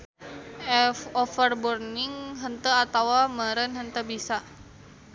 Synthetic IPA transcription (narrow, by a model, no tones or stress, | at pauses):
ɛofərburnɪŋɦənt̪əat̪awaməɾənɦənt̪əbisa